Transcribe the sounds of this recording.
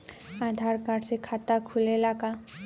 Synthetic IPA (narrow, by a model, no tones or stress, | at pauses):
ad̪ʱaɾkaɾsekʰat̪akʰulelaɡa